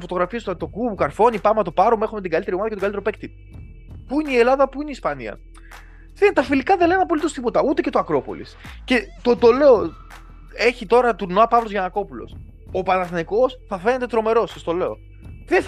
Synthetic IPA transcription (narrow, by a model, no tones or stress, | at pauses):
fo̞t̪o̞ɣɾɐfist̪t̪o̞kubukɐɾfo̞nipɐmɐt̪opɐɾome̞xomet̪iɡɐlit̪e̞ɾioɐðɐcetoɡɐlit̪eɾo̞pek̚t̪ip̚ | puineie̞lɐðɐpuineispɐniɐ̰ | ðet̪ɐfilikɐðelenenɐpolit̪o̞st̪ipo̞t̪ɐut̪ece̞t̪oɐkɾo̞po̞̰lḭsce̞t̪ot̪ole̞o | e̞çit̪o̞ɾɐt̪uɾnoɐpɐvlo̞zʝɐnɐko̞pulo̞̰s | opɐnɐθniko̞sθɐfe̞ne̞t̪et̪ɾo̞me̞ɾo̞sɐst̪o̞le̞o̞ | ðe